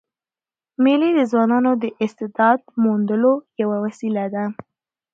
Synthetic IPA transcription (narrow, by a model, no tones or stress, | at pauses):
meled̪əzwɑnɑnod̪əʔɪst̪ɪd̪ɑd̪̚mund̪əlojawawasilad̪a